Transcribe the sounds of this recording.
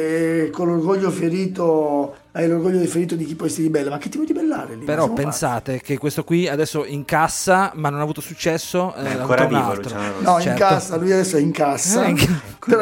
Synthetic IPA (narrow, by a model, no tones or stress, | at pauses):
konlːorɡoʎːofeɾiːt̪o | ajlorɡoʎːod̪ifeɾiːt̪od̪ik̟ipːwɔjsiɾd̪ibɛlːomak̟ːet̪ːippod̪ibelːa̰ːɾed̪ipeɾɔpːensaːt̪ek̟ekːwest̪okwiad̪ɛsːoiŋkasːamanːonaːvuːt̪osut͡ʃːɛsːoavvɾaaunalt̪ɾonɔit͡ʃɛŋɾkasːalujad̪ɛsːoɛiŋkasːaŋ | peɾ